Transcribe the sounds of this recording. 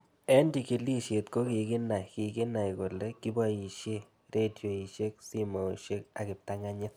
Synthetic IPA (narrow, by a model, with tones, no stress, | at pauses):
ɛ˦ndi˨˧ki˧li˦ʃe˨t̪ko˦ki˨ɡɪ˦na˨jki˨ɡɪ˦na˨jko˨le˦ki˦ba˦i˨ʃe˦ | ɾʔe˦djo˨i˨ʃe˦k̚si˦mo˨ʃe˦k̚a˨kɪ˨p̚t̪a˦ŋa˦ɲɪ˦t